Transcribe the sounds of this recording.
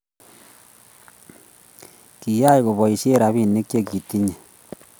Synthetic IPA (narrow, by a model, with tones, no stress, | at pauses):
ki˨ja˦jko˨βɔ˨i˨se˦ɾa˨βi˦˨nːe˦kt͡ʃe˦ki˨t̪i˦ɲe˨